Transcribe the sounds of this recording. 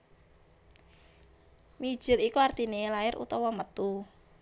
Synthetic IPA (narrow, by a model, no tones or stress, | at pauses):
mi̥ʒ̥ɪ̤likuart̪inelaɪɾṵt̪ɔwɔmət̪u